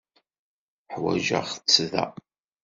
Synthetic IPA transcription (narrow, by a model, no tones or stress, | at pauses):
ħwæ̰ʒa̰ʁt͡sːðæ̰